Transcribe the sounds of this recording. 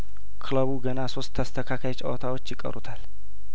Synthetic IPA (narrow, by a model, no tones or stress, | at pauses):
kʰɨləβuɡənaso̞st̪ʰːəst̪ʰəkʰakʰajt͡ʃʼə̰wɔt̪ʰawo̞t͡ʃːjɪkʼːə̰ɾut̪ʰal